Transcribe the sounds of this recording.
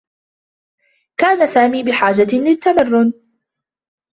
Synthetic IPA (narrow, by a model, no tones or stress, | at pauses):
kaːnasaːmiːbɪħaːd͡ʒalɪt̪ːamarːʊn